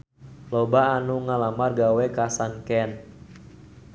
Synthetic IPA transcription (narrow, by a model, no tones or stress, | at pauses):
lobaːnuŋalamarɡawɛkasankɛn